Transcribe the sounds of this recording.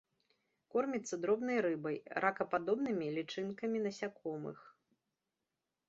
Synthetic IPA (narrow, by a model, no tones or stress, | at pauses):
kɔrmʲit̪sːɐd̪ɾɔbnɐjɾɨbɐjɾʔakɐpad̪ɔbnɨmʲilʲit͡ʂɨnkɐmʲinɐsʲakʰɔmɨ̰x